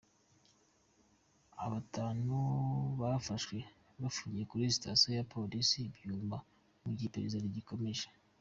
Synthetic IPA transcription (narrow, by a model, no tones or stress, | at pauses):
a̰βataːnuβafaʃwe̞ | βafuːɲɟie̞kuɾisi̥tasojapʰo̞lisibjuːmba | muɟipe̞ɾezaɾiɟiko̞me̞ʒe̥